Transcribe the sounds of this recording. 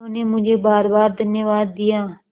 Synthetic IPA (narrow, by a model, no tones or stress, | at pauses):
ʊneːmʊ̃d͡ʒʱeːbaːɾbaːɾd̪ənjəʋaːd̪ːɪjaː